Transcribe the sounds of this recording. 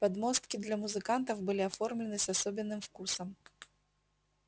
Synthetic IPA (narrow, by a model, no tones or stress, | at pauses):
pad̪mɔst̪̚kʲid̪lʲɐmuzɨkant̪ɐwbɨlʲiafɔrmlʲɪnɨsʲasɔbʲɪnːɨmfkusɐm